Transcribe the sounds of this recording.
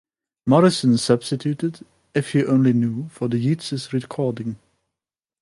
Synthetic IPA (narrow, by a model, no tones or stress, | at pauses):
mɔɹɪsə̃nsʌb̥stɨtʰjʉtɨd | ɪfhiʔõʊ̃nlinjufə˞ðɨjitsɨsɹɪkʰɔɹdɪ̃ŋ